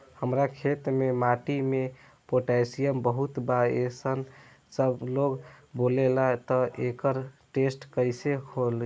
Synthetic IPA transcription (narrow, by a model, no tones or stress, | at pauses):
həmɾakʰet̪memaʈime | poʈasijəmbəɦut̪baesən | səbloɡbolelat̪ɔʔekəɾʈesʈkəɪsehol